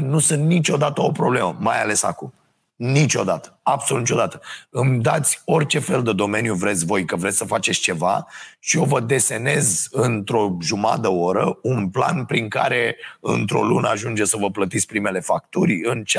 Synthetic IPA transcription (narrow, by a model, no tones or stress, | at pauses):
nusɨnt̪nit͡ʃo̞d̪at̪əo̞pɾo̞ble̞məmajale̞sa̰kum | nit͡ʃo̞̰d̪at̪ə̥absolut̪it͡ʃod̪at̪ə̥ɨmd̪at̪sʲo̞rʲt͡ʃe̞fe̞ld̪əd̪o̞me̞njuvɾet̪sʲvo̞jkəvɾe̞t̪sʲsəfat͡ʃet̪sʲt͡ʃe̞va̰ʃio̞vəd̪e̞se̞ne̞zɨnt̪ɾo̞ʒuma̰d̪əo̞ɾəunpla̰npɾiŋka̰ɾe̞ɨ̰nt̪ɾo̞̰lunəaʒund͡ʒesəvəplət̪it̪sʲpɾime̞le̞fakt̪urʲɨnt͡ʃ